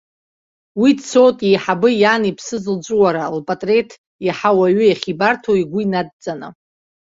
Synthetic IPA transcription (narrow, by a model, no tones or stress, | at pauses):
widso̞tʼejħabɨjanipʰsɨzɨld͡ʒʷʼuwaɾalpʼatʼre̞tʰ | jaħawaɥʊjaχʲibartʰoiɡʷʊinad̚d͡zʼanɨ̰